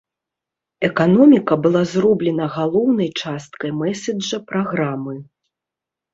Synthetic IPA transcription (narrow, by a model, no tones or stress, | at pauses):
ɛkanɔmʲikɐbɨlˠazrɔblʲɛnɐɣalˠɔwnɐjt͡ʂast̪kɐjmɛsʲɛɐpɾaɣɾamɨ